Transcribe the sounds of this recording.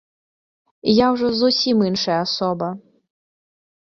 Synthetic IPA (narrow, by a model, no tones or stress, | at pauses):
jawʐɔzusʲiminʂɐjɐasɔbɐ